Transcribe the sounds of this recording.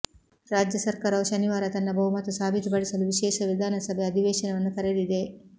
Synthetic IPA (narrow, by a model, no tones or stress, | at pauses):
ɾaːd͡ʒjɐsɐɾkaːɾɐʋɐʃɐniʋaːɾɐt̪ɐnːɐbʱɐɦumɐt̪usaːbʱit̪upɐɽisɐluʋiʃɛːʃɐʋid̪ʱaːnɐsɐbʱejɐd̪ʱiʋeːʃɐnɐʋɐnːukɐɾelid̪e̞